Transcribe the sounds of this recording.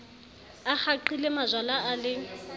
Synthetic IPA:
ak͡xaǃilemazalaːlɪ

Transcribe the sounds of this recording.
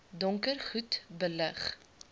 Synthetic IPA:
dɔŋkərχutbələχ

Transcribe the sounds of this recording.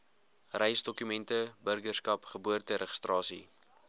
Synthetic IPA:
rɛjsdɔkymɛntəbərɡərskɐpχəbuərtəɾəχə̥strɑːsḭ

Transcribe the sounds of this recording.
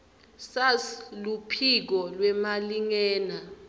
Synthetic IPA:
saslupʰik̬ɔlwɛmaliŋɛːna

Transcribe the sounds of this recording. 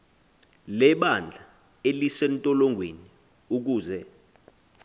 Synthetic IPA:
lɛɓand͡ɮʱa | elisɛntʼɔlɔŋɡʱweni | uk̬uːzɛ

